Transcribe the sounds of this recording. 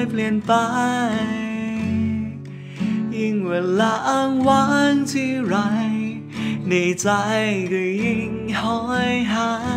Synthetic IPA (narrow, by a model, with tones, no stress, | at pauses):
jpʰli˧ənt̪a˧j | ji˧ŋweː˨˧˩laː˧ʔa˧ŋwaː˧˥ŋt̪ʰi˧ɾa˧j | ne˨˧˩jt͡sa˧jkɯ˨˧˩ji˧ŋhɔ˧˥jɦaː˧